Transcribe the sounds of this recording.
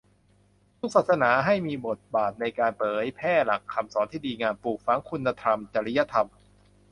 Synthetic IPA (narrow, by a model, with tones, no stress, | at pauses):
t̪ʰu˦˥k̚saː˨˩sa˧naː˩˦ɦa˥˩jmiː˧bo˨˩t̪̚baː˨˩t̪̚na˧jkaː˧npɤː˩˦jpʰɛː˥˩la˨˩kʰːa˧msɔː˩˦nt̪ʰiː˥˩diː˧ŋaː˧npuː˨˩k̚fa˩˦˥ŋkʰu˧nːa˧t̪ʰɾa˧mt͡ɕa˧ɾi˦˥ja˦˧˥t̪ʰa˧m